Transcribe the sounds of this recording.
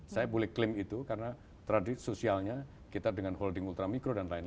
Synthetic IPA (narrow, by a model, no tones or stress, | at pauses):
sajabolɛhklɪmit̪ukarəna | t̪ɾadɪsosialɲa | kit̪adəŋanɦɔldɪŋult̪ɾamikɾodanlaɪn